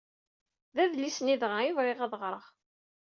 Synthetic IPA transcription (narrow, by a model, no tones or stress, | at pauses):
ðæðlːisniðʁajuvʁɪʁæðʁɾˤəʁ